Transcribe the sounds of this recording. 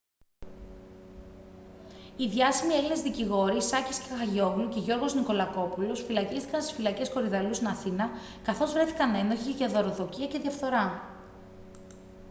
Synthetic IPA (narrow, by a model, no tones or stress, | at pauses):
iðʝɐsimie̞line̞zðiciɣo̞ɾisɐcisce̥kxɐʝo̞vluce̞ʝo̞ɾɣo̞zniko̞lɐko̞pulo̞sfilɐcist̪i̥kɐnst̪i̥sfilɐce̞sko̞ɾiðɐlust̪inɐθinɐkɐθo̞zvɾe̞θi̥kɐne̞no̞çiʝɐðo̞ɾo̞ðo̞ciɐce̞ðiɐfθo̞ɾɐ